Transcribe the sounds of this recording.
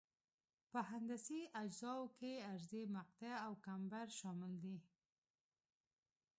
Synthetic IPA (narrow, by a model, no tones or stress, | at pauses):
pəɦand̪asiʔad͡ʒzɑwkeaɾzemaq̚t̪aawkambaɾʃɑmɪld̪i